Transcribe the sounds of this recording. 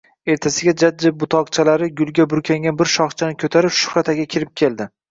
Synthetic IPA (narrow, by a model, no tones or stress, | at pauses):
e̞ɾt̪ʰasɪɡʲad͡ʒad͡ʒːɪb̚bʊt̪ʰɒqt͡ʃʰalaɾɪɡʲʊlˠɡʲabʊɾkʲʰaŋʲanbɪɾʃɒχt͡ʃʰanɪkʲʰɵt̪ʰaɾɪpʃʊ̥χɾat̪ʰaɡʲakʲʰɪɾɪp̚kʲʰe̞ld̪ɪ